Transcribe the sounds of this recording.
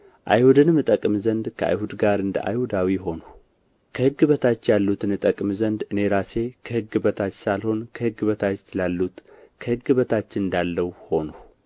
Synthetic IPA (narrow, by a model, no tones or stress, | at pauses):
ʔa̰jhud̪ɨnmɨt̪ʼəkʼmzənd̪kʰəʔa̰jhud̪ɡaɾɨnd̪ə̰ʔa̰jhud̪awiɦo̞nuh | kʰəhɨɡːɨβət̪ʰat͡ʃːjalːut̪ʰɨnɨt̪ʼəkʼmzənd̪ɨne̞ɾase̞kʰəhɨɡːɨbət̪ʰat͡ʃːsalho̞nkʰəhɨɡːɨβət̪ʰat͡ʃsɨlalːut̪kʰəhɨɡːɨβət̪ʰat͡ʃːɪnɨnd̪alːəwho̞nuh